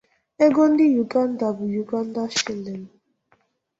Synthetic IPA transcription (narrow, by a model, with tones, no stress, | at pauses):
e˦ɡo˦n̩˦dɪ˦ju˨ɡa˦n̩˦da˨bu˨ju˨ɡa˦n̩˦da˦ʃi˦˨le˨n˨